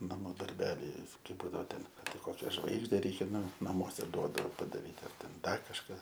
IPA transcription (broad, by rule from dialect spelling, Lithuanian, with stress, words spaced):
nɐˈmuː dɐrʲˈbʲæːlʲɛɪ kɐɪ ˈbuːdɐʋoː ˈtʲɛn ɐr ˈtɐɪ ˈkoːkʲɛ ˈʒʋɐɪɡʒʲdʲɛ ˈrʲɛɪkʲɛ ˈnʊ nɐˈmuɔsʲɛ ˈduɔdɐoː pɐdɐˈrʲiːt ɐr ˈtʲɛn ˈdɐr kɐʃˈkɑː